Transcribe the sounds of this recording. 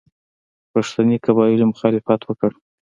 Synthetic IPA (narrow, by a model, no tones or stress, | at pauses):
paʂt̪anikabɑjɪlomʊxɑlɪfat̪wəkəɽ